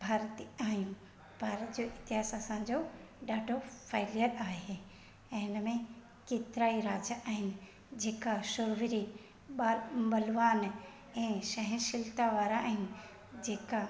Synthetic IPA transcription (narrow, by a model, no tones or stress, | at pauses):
bʱaːɾət̪iaːɦijũ | bʱaːɾət̪d͡ʑoːʔɪt̪ɪɦaːsasãd͡ʑo | ɗaːɖʱofaːɪlijəɾaːɦẽ | ɪnəmẽ | keːt̪ɪɾaːiɾaːd͡ʑʔaːɦɪnɪ̆ | d͡ʑeːkaʃʊɾʋɪɾi | ɓabɐlʋaːn | ɛ̃ːʃɐɦɪnʃɪlt̪aʋaːɾaaːɦɪnɪ̆ | d͡ʑeːka